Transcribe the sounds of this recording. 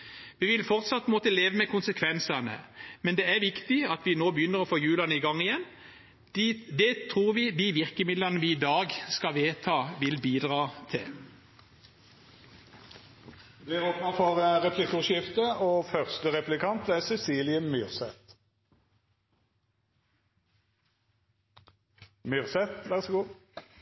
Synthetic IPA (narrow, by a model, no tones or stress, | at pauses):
ʋiːʋɪlfɔʁt̪sɑt̪moːt̪əleːʋəmɛkʰʊnsəkʰʋɛnsənə̰mɛnd̪eːæʋɪkt̪ɪɑt̪ʋɪnoːbəjʏnːəʁɔfoːjʉːlɑnəɪɡɑŋɪjɛnː | d̪ɛt̪ʰʁuːʁʋɪd̪iːʋɪʁkəmɪd̪lənəʋiːd̪ɑːɡskɑʋeːt̪ʰɑːʋɪlbiːd̪ʁɑːt̪ʰɪ̰l | ʋ̪eːʁoːpnəfɔʁəʁɛpʰlɪkʊʃɪft̪əoːfœʁst̪əʁɛplɪkʰɑnt̪æsɛsiːlɪəmʏʁsɛt̪ | mʏʁsɛt̪ʋæʁsɡuː